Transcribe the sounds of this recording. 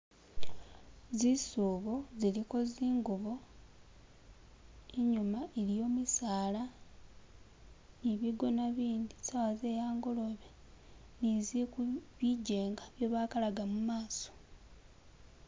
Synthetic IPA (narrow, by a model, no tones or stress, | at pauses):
zisuːβo̞ziliko̞ziːŋɡuβo̞ | eɲumaʔeɾijo̞ːmisaːla | niβiɡo̞naβiːnd̪isawaze̞jaːŋɡo̞lo̞βe | nizikuβiɟe̞ːŋɡaβjoβaːkalaɡamumaːso̥